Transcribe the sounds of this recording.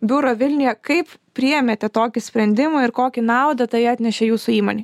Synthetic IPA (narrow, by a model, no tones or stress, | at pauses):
bʲʊɾoːʋʲɪlʲnʲɪjɛkɐɪppʲɾʲɪɛmʲeːt̪ʲɛt̪oːkʲɪsʲpʲɾʲɛnʲd̪ʲɪmʊɪɾkoːkʲɪnɑˑʊd̪ɐt̪ɐɪɑːt̪ʲnʲɛʃʲɛjuːsʊiːmoːnʲiː